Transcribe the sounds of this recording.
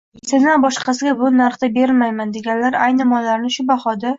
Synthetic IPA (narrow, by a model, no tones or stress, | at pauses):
sɪnabɒʃqɑsɪɡʲabʊnaɾχt̪abe̞ɾɪlmajmand̪e̞ɡʲanlaɾajnɪmɒlːaɾnɪʃʊbaχɒd̪a